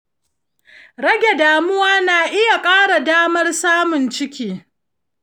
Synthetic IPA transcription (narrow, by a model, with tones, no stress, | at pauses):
ɽɐ˦ɡʲe˨daː˨mʊ˦waː˦naː˨ʔɪ˦ja˨kʼaː˦ɽa˨daː˦mɐ˦rsaː˦mʊ˨nt͡ʃɪ˦kʲiː˨